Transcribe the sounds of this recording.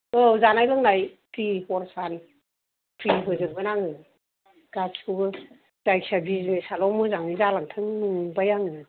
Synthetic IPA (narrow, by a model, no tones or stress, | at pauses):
ɯzanajlɯŋnajtʰihɔɾsan | pʰɾiɦɯzɯɾbɯnaŋɯ | ɡ̥asʰuɡɯ | zajksabizmesalɔmɯzaŋizalaŋtʰɯŋɯŋbajaŋnɯ